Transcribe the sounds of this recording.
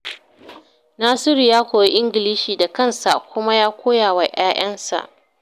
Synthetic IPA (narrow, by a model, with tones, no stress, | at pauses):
naː˦sɪ˦ɾi˨jaː˦kʷoː˨ji˦ʔɪ˦ŋɡʲɪ˨liː˦ʃiː˨da˨kɐ˦˨nsa̰˨kʷʊ˦ma˦jaː˦kʷoː˦jaː˨wa˨jʔaː˦jɐ˦nsa̰˨ʔ